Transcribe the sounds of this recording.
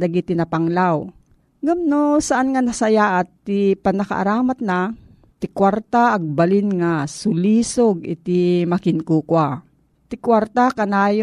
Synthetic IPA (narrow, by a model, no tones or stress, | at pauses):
d̪aɡit̪ɪnɐpaŋlaw | ɡamnosaʔanŋanasɐjaʔat̪ːɪpanɐka̰ʔa̰ɾaːmat̪̚na | t̪ɪkwaɾt̪aʔːɡ̚balɪnŋasʊliːsoɡɪt̪ɪmakɪnkuːkwa | t̪ɪkwaɾt̪akanaːjo